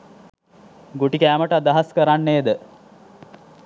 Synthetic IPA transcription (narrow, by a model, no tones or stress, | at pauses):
ɡoʈikæːməʈəad̪aɦaskəɾanːeːd̪ə